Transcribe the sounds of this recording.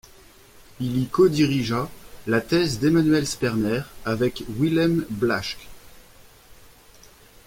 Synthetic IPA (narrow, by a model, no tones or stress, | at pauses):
ilikod̪iʁiʒalat̪ɛzd̪emanɥɛlspɛʁnɛʁavɛkwilɛmblaʃk